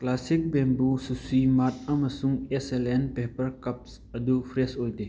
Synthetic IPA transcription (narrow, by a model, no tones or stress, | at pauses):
klasɪk̚bɛ̃mbususimat̪̚amɐsuŋɛsɛlɛnpepəɾkɐp̚s | ɐd̪upʰɾɛsojd̪e